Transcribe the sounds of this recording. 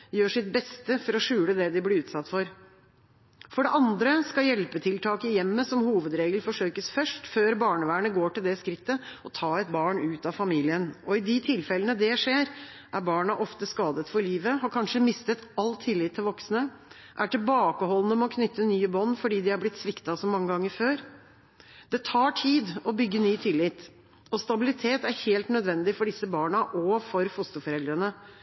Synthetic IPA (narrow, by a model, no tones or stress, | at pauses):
jøːʂɪt̪̚bɛst̪əfɔɾɔʂʉːləd̪ɛd̪ɪblɪʉːt̪sɑt̪ːfɔɾ | fɔɖɛʔɑnd̪ɾəskɑjɛlpət̪ʰɪlt̪ʰɑːkəjɛmːəsɔmhuːʋəd̪ɾeːɡəlfɔʂøːkəsfœʂʈføːɾbɑːɳəʋæːɳəɡoːʈɪld̪ɛskɾɪt̪ːəɔt̪ʰɑːɛt̪bɑːɳʉːt̪ɑfɑmiːlɪənʔɔɪd̪ɪt̪ʰɪlfɛlənəd̪ɛʂeːɾ | ʔæɾbɑːɳɑʔɔft̪əskɑːd̪ət̪fɔɭiːʋəhɑɾkʰɑnʂəmɪst̪ət̪ɑlt̪ʰːɪlːɪt̪ʰːɪlʋɔksnə | ʔæʈɪlbɑːkəhɔlːənəmɛɔkʰnʏt̪ʰːənyːəbɔnːfɔɖiːd̪ɪhɑɾblɪt̪sʋɪkt̪ɑsɔmːɑŋːəɡɑŋːəɾføːɾ | d̪̥ɛt̪ʰɑːʈʰiːd̪ɔbʏɡːənyːt̪ʰɪlːɪt̪ | ɔst̪ɑbɪlɪt̪ʰeːt̪æɾheːlt̪nœd̪ʋɛnd̪ɪfɔɖɪsːəbɑːɳɑʔɔfɔɾfʊst̪əfɔɾɛld̪ɾənə